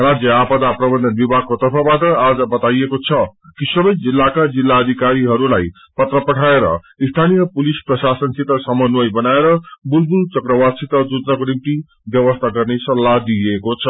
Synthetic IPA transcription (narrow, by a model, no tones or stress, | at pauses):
rad͡zjʌapʌd̪aprʌbʌnd̪ʱʌnbibʱaɡ̚kot̪ʌrpʰʌbaʈʌad͡zʌbʌt̪ajekot͡sʰʌkisʌbʌjd͡zilːakad͡zilːaʌd̪ʱikaɾiɦʌɾulaj | pʌt̪rʌpʌʈʰaeɾʌ̰ | ist̪ʰanijʌpulisprʌsasʌnsit̪ʌsʌmʌnwʌjbʌnaeɾʌbulbult͡sʌkɾʌwasit̪ʌd͡zud͡znʌkonimt̪i | bjʌβʌst̪ʰaɡʌrnesʌlːad̪iekot͡sʰʌ